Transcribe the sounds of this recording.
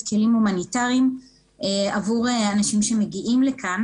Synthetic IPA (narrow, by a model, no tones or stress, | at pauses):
kʰilimhumanitaʁim | eavuʁeanaʃimʃe̞me̞ɡiʔimlekʰan